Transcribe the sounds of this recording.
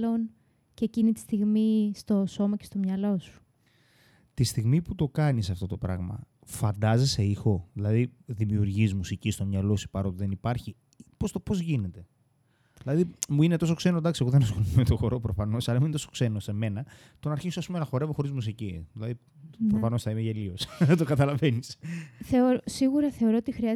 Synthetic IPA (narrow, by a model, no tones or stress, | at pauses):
lon | ceːcinit̪i̥st̪iɣmist̪o̞so̞mɐcest̪o̞mɲɐlo̞su̥ | t̪ist̪iɣmiput̪o̞kɐnisɐft̪o̞t̪o̞pɾɐ̰ɣmɐ̰ | fɐnd̪ɐzese̞ixo̞ðilɐðiðimiuɾʝizmusicist̪o̞mɲɐlo̞si̥pɐɾo̞t̪ðe̞nipɐɾçi | post̪o̞po̞zʝine̞t̪e̞ | ðilɐðimuinet̪o̞so̞kse̞nod̪ɐksiɣoðenoskolumet̪oxo̞ɾo̞pɾo̞fɐno̞sɐlɐmuinet̪osokse̞no̞se̞me̞nɐ | t̪o̞nɐɾçisoɐspumenɐxo̞ɾevoxo̞ɾizmusiciðilɐði | pɾofɐno̞sθɐimeʝelio̞st̪o̞kɐt̪ɐlɐve̞nisθeoɾosiɣuɾɐθe̞o̞ɾoot̪ixɾiɐ